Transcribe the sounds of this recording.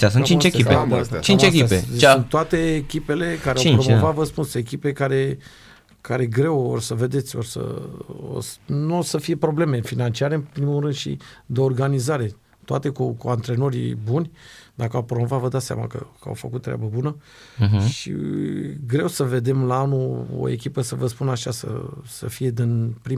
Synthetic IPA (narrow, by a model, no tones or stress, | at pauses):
ʃasunt͡ʃĩnt͡ʃekiet͡ʃint͡ʃeekʲiapeunt̪oat̪e̞ːkʲipe̞le̞kaɾeawpɾomovat̪vəspunsekʲipekaɾe̞ | kaɾe̞ɡɾe̞worsəve̞d̪e̞t̪sʲo̞̰rsə̰o̰snuosəfije̞pɾo̞ble̞me̞finant͡ʃiaɾe̞ɨnpɾimuɾɨnd̪ʃḭd̪eo̞rɡanizaɾe̞ | t̪oa̰t̪e̞kukuant̪ɾe̞no̞ɾʲḭbunʲd̪akəawpɾomo̞vat̪vəd̪at̪sʲa̰ma̰kə̰kəa̰wfəkut̪ːɾea̰bəbunə | ʃḭeɡɾe̞wsəve̞d̪e̞mlaanuo̰e̞̰k̬ʲipəsəvəspunaʃasə̰sə̰fije̞d̪inpɾim